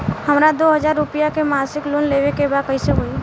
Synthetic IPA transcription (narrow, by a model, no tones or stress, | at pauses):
həmɾad̪oːɦəd͡ʒaːɾːʊpijakemaːsɪkloːnleʋekebaːd̪kəiseɦoːi